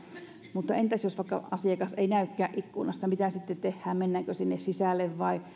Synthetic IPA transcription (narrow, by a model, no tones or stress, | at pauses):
mut̪ːɑent̪æsjosʋɑˑikːɑ̰ɑsiɑkɑseinæykːæːʔʔikːunɑst̪ɑmit̪æsit̪ːett̪ehːæːmmenːæːkøsinːessisælːeʋʋɑi